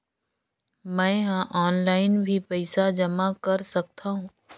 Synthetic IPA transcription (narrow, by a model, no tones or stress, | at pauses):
mɛ̃ːɦãʔɔːnlaːɪnbʱipɛɪsad͡ʒɐmakɐɾsɐk̚t̪aɦũː